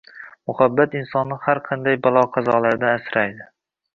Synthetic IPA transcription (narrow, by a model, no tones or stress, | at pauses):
mʊhabːat̪ɪnsɒnːɪhaɾqʰɑnd̪ajbalˠɒqʰɑzɒlˠaɾd̪anasɾajd̪ɪ